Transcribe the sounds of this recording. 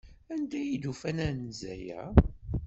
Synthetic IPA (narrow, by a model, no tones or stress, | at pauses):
ænd̪æjid̪ufænænzæ̰jæ̰